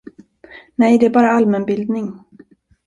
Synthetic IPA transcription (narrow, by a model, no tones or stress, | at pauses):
nɛjd̪ɛæɾbɑːɾaalmɛnbɪld̪nɪŋ